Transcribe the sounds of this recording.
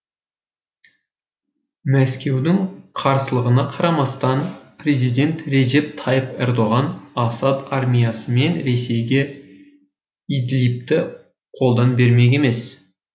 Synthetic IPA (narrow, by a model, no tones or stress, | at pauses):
mæskʲe̞wd̪ɪŋqʰɑɾsəlˠəʁənɑqʰɑɾɑmɑst̪ɑnpre̞zijd̪ʲe̞nt̪re̞ʒe̞p̚t̪ʰɑjəpḛɾd̪o̞ʁɑnɑsɑt̪ɑrmʲijɑsəme̞nɾe̞se̞jɡʲe̞ | id̪lip̚t̪ɪ | qʰo̞lˠd̪ɑnbe̞ɾmeɡʲeme̞s